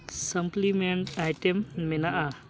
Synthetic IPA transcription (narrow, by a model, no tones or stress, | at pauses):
sɐmplimeɳʈajʈemːɛnaʔa